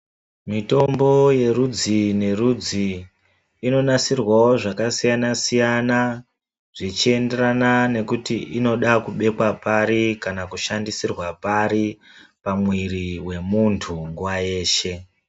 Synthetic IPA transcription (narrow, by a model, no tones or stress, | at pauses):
mito̞mbo̞je̞ɾud͡zine̞rud͡ziː | no̞nasirwao̞ʐakasijanasijana | ʐ̥it͡ʃie̞nde̞ɾanane̞kutiʔino̞ɗakuɓe̞kwapaɾikanakuʃandisirwapaɾi | pamwiɾiwe̞muntʰuŋɡuwaje̞ːʃe̞